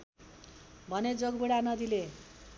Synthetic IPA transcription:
bʱʌned͡zoɡbuɽanʌd̪ile

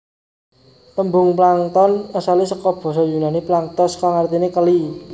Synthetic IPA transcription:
t̪əmbʊŋplaŋt̪ɔnasalisəkɔb̥ɔ̤s̬ɔjunaniplaŋt̪ɔskaŋart̪inekəli

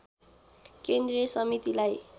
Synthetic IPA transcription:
kend̪resʌmit̪ilaj

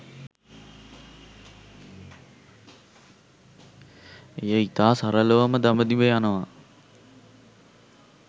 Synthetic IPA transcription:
ejəit̪aːsaɾələʋaməd̪aməd̪ibəjanəʋa

